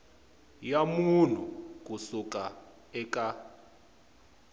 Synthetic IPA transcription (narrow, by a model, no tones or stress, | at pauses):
jamun̤uk̬ʼusuk̬ʼa | ɛkʼa